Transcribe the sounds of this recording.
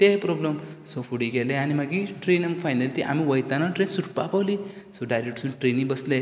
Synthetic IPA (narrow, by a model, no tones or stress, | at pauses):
t̪epɾɔblmsofʰuɽiɡeleanimaɡĩʈɾenamfʰajnəlit̪iʔa̰miʋəjt̪anaʈɾensuʈpapawli | sɔɖajɾek̚ʈsũnʈɾenĩbəsle